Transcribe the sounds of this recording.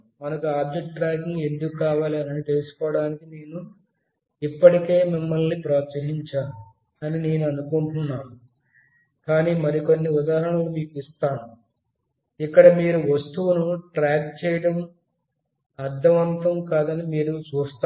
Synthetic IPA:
mɐnɐkuaːb̚d͡ʒek̚ʈ̚ʈɾaːkine̞nd̪ukukaːʋaːliɐnɐnit̪e̞lusu̥kɔːʋɐɽaːnikine̞ːnu | ipːɐʈike̞ːmimːɐlnipɾaːt̪sɐɦiɲt͡ʃaːu | ɐnine̞ːnuɐnukuɳʈunːaːnu | kaːniːmɐɾiko̞nːiud̪aːɐɾɐɳɐlumiːkist̪aːnu | ikːɐɽɐmiːɾuʋɐst̪uʋnuʈɾaːk̚t͡ʃɛːjɐɽɐm | ɐɾd̪ʱːɐʋɐnt̪ɐmkaːd̪ɐnimiːɾut͡ʃuːst̪ː

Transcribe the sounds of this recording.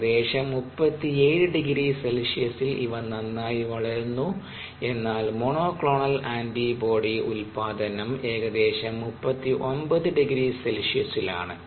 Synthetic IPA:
d̪e̞ːɕɐmːupːɐt̪ːieːɻɨɖiɡɾiːselʂijɐsilʔḭʋɐɳnɐnːaːjiʋɐɭɐɾunːu | e̞nːaːlmoɳoːklo̞ːɳɐlaːndibo̞ːɽiulpaːd̪ɐnɐme̞ːɡɐd̪e̞ːɕɐmːupːɐt̪ːiʔo̞nbɐðɨɖiɡɾiːselʂijɐsila̰ːɳɨ

